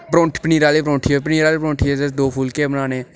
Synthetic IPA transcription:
pɾõːɳʈʰpəniːɾaːleːpɾõːʈʰiepəniːɾaːlepɾõːʈʰied͡ʒəsd̪oːpʰuːlkeːbənaːnẽː

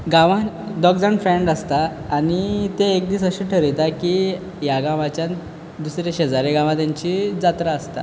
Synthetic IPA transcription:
ɡãʋãd̪ɔkd͡zaɳfɾẽɳɖast̪aːnit̪eːkd̪iːsəɕiʈʰəɾit̪aki | jaɡãʋat͡ɕjã | d̪usɾeɕed͡zaɾeɡãʋãt̪jaɲt͡ɕid͡zat̪ɾaːst̪a̰

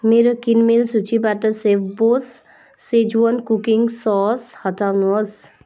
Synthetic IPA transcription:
meɾokinmelsut͡ʃʰibaʈəsebosː | ed͡ʒuənkukiŋɡsɔːshət̪ʰaʋnos

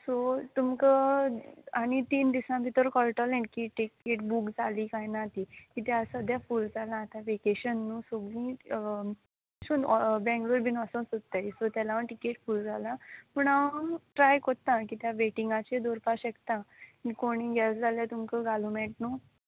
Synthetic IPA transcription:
sot̪umkə | aɽ̃it̪iːnd̪isãbit̪əɾkɔlʈəlẽɳʈkiʈikeʈbukd͡zalikajnat̪ikit̪ɛasəd̪jafuːld͡zalãːt̪aʋekeɕənːuːsoɡĩ | ɕunbɛ̃ŋɡluɾbinəsə̃sot̪ːaisot̪jalaʋəɳʈikeʈfuːld͡zalãpuːɳaʋənʈɾajkot̪ãk̬it̪jaʋeʈiŋɡat͡ɕed̪oɾpaɕəkt̪ãkikoɽ̃ĩɡasd͡zaljat̪umkəɡalumɛʈ̚nu

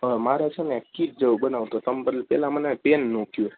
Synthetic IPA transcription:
maɾat͡ʃʰenekitd͡ʒəʋbənaʋt̪ot̪əmbəɾlpɛ̰lamənepenːokʰju

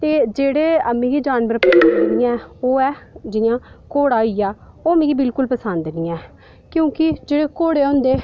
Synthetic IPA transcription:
t̪eːd͡ʒeːɽeːəmẽːɡiːd͡ʒaːnʋəɾpəsənd̪eniːãːoːɛːd͡ʒɪjãːkoːɽaːiːjaː | oːmẽːɡiːbɪlkʊlpəsənd̪niːɛ̃ː | kjõːkɪd͡ʒeːɽeːkoːɽeːõːnd̪eː

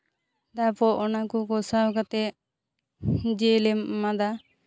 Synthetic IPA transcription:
d̪apɔʔɔnakukɔsawkat̪ɛ | d͡ʒɛlɛmmad̪a

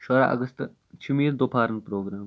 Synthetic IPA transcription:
ʃoɾa̰ʔɐ̰ɡəst̪ | t͡ʃʰumiːɾd̪oːpʰaːɾənpɾoːɡɾaːm

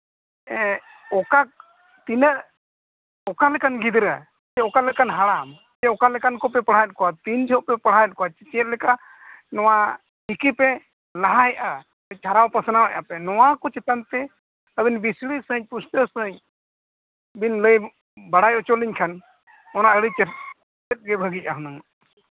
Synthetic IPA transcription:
ɛ̃ | ɔkak̚ | t̪inəʔ | ɔkalɛkanɡid̪ɾə | t͡ʃɛɔkalɛkanɦaɽam | ɛɔkalɛkankɔpɛpəɽ̤ajət̪̚kɔwat̪ind͡ʒʰʱəpɛpəɽ̤ajət̪̚kɔat͡ʃɛt͡ʃɛɛt̪̚lɛka | nɔwa | ikipɛ | laɦaɦɛʔa | ɛt͡ʃʰaɾawpəsnawɛʔapɛnɔwakɔt͡ʃɛt̪ant̪ɛ | əbinbisɽisəɦəɲ̚pust̪əsəɦə̃ɲ | binləj | baɽ̤ajɔt͡ʃoliɲkʰan | ɔnaəɽit͡ʃɛɾ | t͡ʃɛt̪̚ɡɛbʱəɡicaɦunaŋ

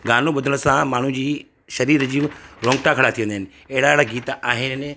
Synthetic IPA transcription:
ɡaːnõɓʊd̪ʱəɽ̃ʊsãmaːɳ̤ũd͡ʑiː | ʃɐɾiːɾd͡ʑiɾõːŋɡʈakʰɐɽat̪ʰiʋə̃nd̪ʱɦɪnɪ̆ | eɦɪɽaɽaɡiːt̪aːɦɪnɪ̆

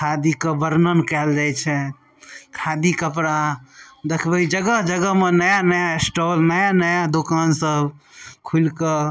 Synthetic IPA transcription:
kʰad̪ikəbəɾnənkɛld͡ʒajt͡ʃʰɛ | kʰad̪ikəpɾad̪ekʰbəid͡ʒəɡəɦd͡ʒəɡəɦmenəjanəjaesʈɔlnəjanəjad̪okansəbkʰulkə

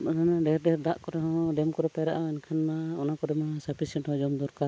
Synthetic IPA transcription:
mɔnanaɖɛɾɖɛɾd̪aʔkɔɾɛɦɔ̃ɖɛmkɔɾɛpɛɾa̰ʔaɛɲkʰanmaɔnakɔɾɛmasapʰisɛɳʈhɔ̃d͡ʒɔmd̪uɾkaɾ

